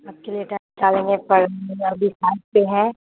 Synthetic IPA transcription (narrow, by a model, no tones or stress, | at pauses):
aːb̚kelieʈat͡ʃaːlẽŋepɐɾɐbʱisaːɪʈ̚peɦɛ̃